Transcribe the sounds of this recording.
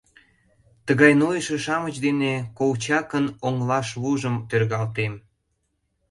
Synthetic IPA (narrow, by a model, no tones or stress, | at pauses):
t̪əɣɑjnojəʃeʃɑmət͡ɕd̪enekowt͡ɕɑkənoŋlɑʃβuʒəmt̪ørɣɑlt̪em